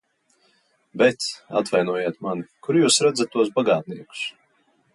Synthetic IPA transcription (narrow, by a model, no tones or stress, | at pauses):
bɛt̪sa̰t̪vajnuɔjeːt̪manikuɾjuːsɾad̪zat̪ːuɔs̬baɡaːt̪̚niɛku̥s